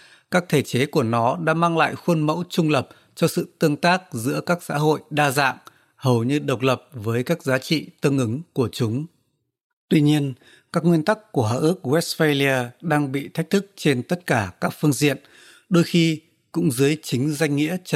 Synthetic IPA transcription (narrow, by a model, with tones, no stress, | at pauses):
kaː˦˥k̚t̪ʰe˧˩t͡ɕe˨˦ku˧˩ənɔ˨˦ɗa̰ː˧˥maː˧ŋla̰ː˧˨jxwə˧nmə̰˧˥wt͡ɕʊ˧ŋ͡mlə˨˩p̚ | t͡ɕɔ˧sɨ̰˧˨t̪ɨ˧əŋt̪aː˦˥k̚zɨ̰˧˥əkaː˦˥k̚sa̰ː˧˥ɦo̰˧˨jɗaː˧za̰ː˧˨ŋ | hə˨˩wɲɨ˧ɗə˨˩wk͡p̚lə˨˩p̚vəː˨˦jkaː˦˥k̚zaː˨˦t͡ɕḭ˧˨t̪ɨ˧əŋʔɨ˨˦ŋku˧˩ət͡ɕʊ˨˦ŋ͡m | t̪wi˧ɲi˧ən | kaː˦˥k̚ŋwi˧ənt̪a˦˥kːu˧˩əɦa̰ː˧˨ʔɨ˦˥k̚wɛ˦˥sfe˧li˧aː˧ɗaː˧ŋɓḭ˧˨t̪ʰa˦˥k̚t̪ʰɨ˦˥k̚t͡ɕe˧nt̪ə˦˥t̚kaː˧˩kaː˦˥k̚fɨ˧əŋzḭ˧˨ən | ɗo˧jxi˧ | kʊ̰˧˥ŋ͡mzɨ˨˦əjt͡ɕï˨˦ŋ̟za˧jŋ̟ŋḭ˧˥ə